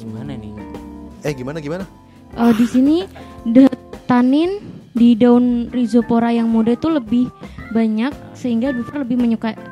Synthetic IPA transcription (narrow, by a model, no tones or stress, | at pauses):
ɡimananɪ | ɛhɡimanaɡimana | ʔədisinidat̪anɪndidaʊnrizopoɾajaŋmodat̪uləbɪhbaɲak̚səɦiŋɡabifarləbɪhməɲuka